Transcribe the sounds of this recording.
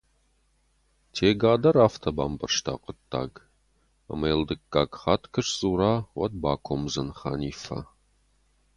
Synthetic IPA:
tʰeːɡaːdɐɾaːftʰɐbaːmbɐrʂtʰa̰ːqʷətʰʼːa̰ːɡ | ɐ̰mɐjldɨkʼːaːɡχaːtʰkʰɨʂsʼuːɾaːwɐt̚baːkʷʰomzɐnχa̰ːniːfɐ̰

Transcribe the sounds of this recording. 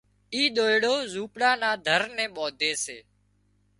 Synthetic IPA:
iːɗ̪oːjɽoːzuːpɽaːnaːd̪ʱəɾnẽːɓɔːd̪ʱeːseː

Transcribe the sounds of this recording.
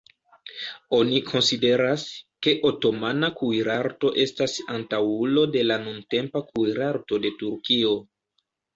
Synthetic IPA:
o̞nikʰo̞nside̞ɾaske̞ʔo̞to̞manakujɾaɾto̞ʔe̞stasantawulo̞de̞lanunte̞mpakujɾaɾto̞de̞tuɾkio̞

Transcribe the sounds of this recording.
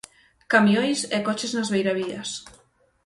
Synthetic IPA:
kamjõjsɛkɔt͡ʃeznazβejɾaβiɐs

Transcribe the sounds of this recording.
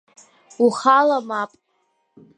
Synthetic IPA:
uχalamapʼ

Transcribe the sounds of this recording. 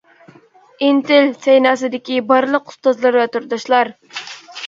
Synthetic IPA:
int̪ɪlsejnɑːsɨd̪ɪkʲibɑɾlˠəqʰu̥st̪ɑzlˠɑɾvɛt̪uɾd̪ɑʃlˠɑɾ

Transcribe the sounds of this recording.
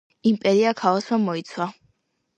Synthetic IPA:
impʼɛɾiakʰalaswamɔit̪sʰwa

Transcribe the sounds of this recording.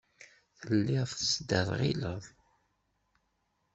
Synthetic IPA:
θəlːiʁfθəsd̪əɾˤʁḭləðˤ

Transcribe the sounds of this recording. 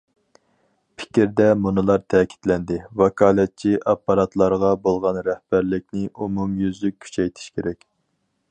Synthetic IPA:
pʰɪ̥kʲɾd̪ɛmunɨlˠɑɾt̪ʰɛːkʲʰi̥t̪lɛnd̪ɪwɑkʰɑːlˠɛt̪̚t͡ʃʰiʔɑpːɑɾɑt̪lˠɑɾʁɑbolˠʁɑnɾɛhb̥æɾlɪkʲnɪʔumumjyzlyk̚ʲːʰy̥t͡ʃʰɛjt̪ʰi̥ʃkʲeɾɛkʲ

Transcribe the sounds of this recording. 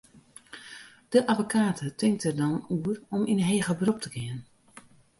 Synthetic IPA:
d̥əʔavokʰaːtʰətʰɪŋk̚tərdɔnuərɔminəɦeːɣəbrop̚tʰəɡɪən

